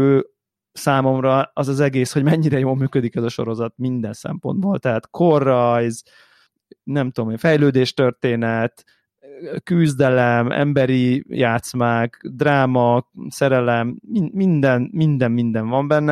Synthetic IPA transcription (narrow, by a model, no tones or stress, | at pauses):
øː | saːmo̞mrɒɒzɒzɛɡeːsho̞ɟmɛɲːiɾɛjoːlmyːkød̪ikɛzɒʃo̞̰ɾo̞zɒt̪mind̪ɛnsɛ̰mpo̞̰nd̪boːlt̪ɛɦat̪kʰorːɒjz | nɛmt̪ud̪omeːɱfɛjløːd̪eːʃt̪ørt̪eːnɛt̪ | kyzd̪ɛlɛmɛ̰mbɛɾijaːt̪smaːkd̪raːmɒsɛɾɛlɛminmind̪ɛnmind̪ɛmmind̪ɛɱvɒmbɛnːɛ